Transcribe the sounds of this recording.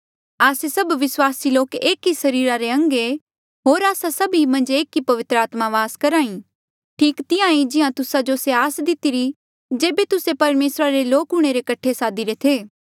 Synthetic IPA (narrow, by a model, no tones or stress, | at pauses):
aːsesɐbʋɪswaːsiloːkeːkisɐɾiːɾaɾeɐ̃ŋɡe | ɦoːɾaːsasɐbimɐ̃nd͡ʒeːkipɐʋɪt̪ɾəaːt̪maʋaːskɐɾaːĩ | ʈʰiːkt̪ɪãid͡ʒɪãt̪ʊsad͡ʒoseaːsd̪ɪt̪iɾi | d͡ʒeːbet̪ʊsepɐɾmeːsɾaɾeloːkɦʊɽ̃eɾekɐʈʰesaːd̪iɾet̪ʰeː